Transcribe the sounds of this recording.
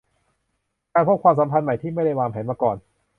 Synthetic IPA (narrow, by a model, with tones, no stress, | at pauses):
kaː˧npʰo˥˩t̚kʰwaː˧ms̬a˩˦mpʰa˧nma˨˩jt̪ʰiː˥˩ma˥˩jda˥˩jwaː˧mpʰɛː˩˦nmaː˧kɔː˨˩n